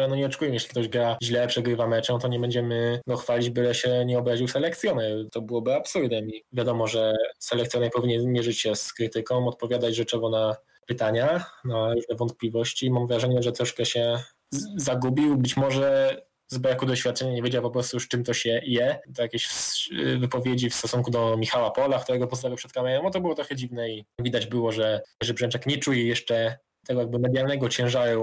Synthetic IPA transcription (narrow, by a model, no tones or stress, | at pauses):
ɾanɔɲɛɔt͡ʂɛ̥kujɛmjeɕlʲik̚t̪ɔʑɡɾaʑlɛpʂɛɡɾɘvamt͡ʂɔ̃t̪ɔɲɛbɛɲd͡ʑɛmɘɡɔxfalʲid͡ʑbɘlɛɕɛɲɛɔbɾaʑiwsɛlɛkt̪sʲjɔnɛt̪ɔbɘwɔbɘapsuɾd̪ɛmʲivʲjad̪ɔmɔʐɛsɛlɛkt̪sʲjɔnɛpɔvʲiɲɛnzmʲjɛʐɘt͡ɕɕɛskɾɘt̪ɘkɔ̃w̃ɔt̪̚pɔvʲjad̪ad͡ʑʐɛt͡ʂɛɡɔna | pɘt̪aɲanaɾuʐnɛvɔnt̪̚plʲivɔɕt͡ɕimamvɾaʐɛɲɛʐɛt̪ɾɔʂkɛɕɛ | zaɡubʲiwbɘt͡ɕmɔʐɛ | zbɾakud̪ɔɕfʲat̪̚t͡ʂɛɲaɲevʲjed͡ʑawpɔpɾɔst̪ujuʂt͡ʂɘmt̪ɔɕɛjɛd̪ɔjakʲeɕ | vɘpɔvʲjed͡ʑifst̪ɔsuŋkud̪ɔmʲixawapɔlakt̪uɾɛɡɔpɔst̪aɡʲɔpʂɛt̪̚kamɛɾɛmɔt̪ɔbɘwɔt̪ɾɔxɛd͡ʑivnɛivʲid̪ad͡ʑbɘwɔʐɛʐɛbʐɛnt͡ʂɛkɲɛt͡ʂujɛjɛʂt͡ʂɛ | t̪ɛɡɔjaɡ̚bɘmɛd̪jalnɛɡɔt͡ɕɛ̃ʐaɾɛ